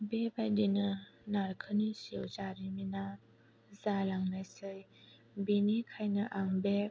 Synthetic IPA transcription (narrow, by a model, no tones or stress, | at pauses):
bebajdinɯnaɾkʰɯnisiwzaɾimina | zalaŋnajsɯj | binikʰajnɯʔaŋbe